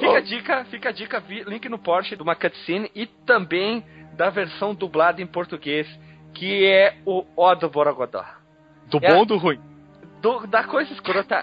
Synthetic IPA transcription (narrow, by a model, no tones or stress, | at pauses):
fikɐd͡ʒikɐfikɐd͡ʒikɐvilĩkɪnʊpɔɾt͡ʃɪd̪ʊmakɐt̪sĩnɪɪt̪ɐ̃mbẽj̃d̪ɐveɾsɐ̃w̃d̪ublad̪ɐẽj̃poɾt̪uɡes | kɪɛʊɔd̪ʊboɾaɡad̪ɔ̰ | d̪ʊɛbõd̪ʊɦũĩ | d̪ʊd̪ɐkojzɐɪskɾot̪ɐ̰